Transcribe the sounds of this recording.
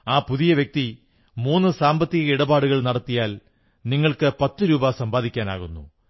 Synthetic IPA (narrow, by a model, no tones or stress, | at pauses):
aːpuðijɐʋjek̚t̪i | muːnːɨsaːmbɐt̪ːiɣɐiɽɐbaːɽuɣɐɭnɐɽɐt̪ːijaːl | niŋːɐɭkɨpɐt̪ːɨɾuːbɐsɐmbaːd̪ikʲːaːna̰ːɣunːṵ